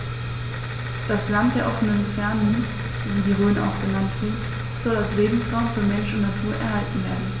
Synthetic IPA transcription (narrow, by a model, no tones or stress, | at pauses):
d̥aslantd̥eːɐʔɔfənənfɛɐnən | viːdiːʁøːnəʔa̰ʊxɡ̥ənantv̥i | z̥ɔlasleːbm̩sʁaʊmfyːɐmɛnʃʊntnatʰuːɐʔɛɐɦaltn̩veːɐdn̩